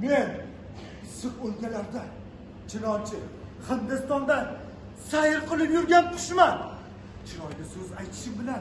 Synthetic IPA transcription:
me̞n | sɨqolkʲalaɾd̪a | t͡ʃʰɪnɒnt͡ʃʰɪhɨnd̪ɨst̪ɒnd̪a | sajɪɾqʰɨlˠɪpjʊɾɡʲanpʰʊ̥ʃma | t͡ʃʰɪlɒjnʲɪsɵzajt̪ʰɪ̥ʃɪmbɪlan

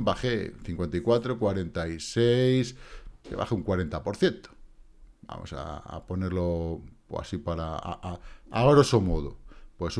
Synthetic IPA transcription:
baxeθiŋkwe̞nt̪aikwat̪ɾokwaɾe̞nt̪aisejskeβa̰xeuŋkwaɾe̞nt̪apo̞ɾθje̞nt̪o̥ | ba̰mo̰sa̰a̰po̞neɾlo | a̰sipaɾa̰ | aβaɾosomoðopwes

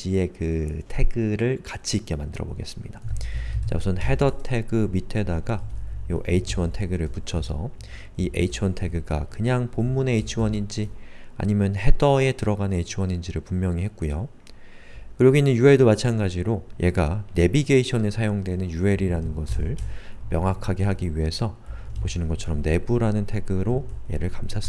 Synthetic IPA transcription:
d͡ʑie̞kɯtʰe̞ɡɯɾɯɭkat͡ɕʰiːk͈e̞mandɯɾʌbo̰ɡe̞s͈ɯmɲid̥at͡ɕa̰msʰɯnhe̞dʌtʰe̞ɡɯmitʰe̞daɡajoʔe̞it͡ɕʰɯwʌntʰe̞ɡɯɾɯɭput͡ɕʰʌsʰʌ̰ | iʔe̞̰it͡ɕʰɯwʌntʰe̞ɡɯɡa̰kɯɲaŋpomːune̞ːt͡ɕʰɯwʌɲind͡ʑia̰ɲimjʌnhe̞dʌje̞tɯɾʌɡanɯnet͡ɕʰɯwʌɲind͡ʑiɾɯɭpummjʌŋiɦe̞t̚k͈ujo | kɯɾʌɡoinːɯnjue̞ɭdomat͡ɕʰanɡad͡ʑiɾojʔe̞ɡane̞biɡeiɕʰʌnesʰajoŋdwe̞nɯnjue̞ɾiɾanɯnɡʌsʰɯɭmjʌŋɦakʰaɡe̞ɦaɡiɥiɦe̞sʰʌpoɕʰinɯnɡʌtt͡ɕʰʌɾʌmne̞buɾanɯntʰe̞ɡɯɾoje̞̰ɾɯɭkamsʰas͈ɯ

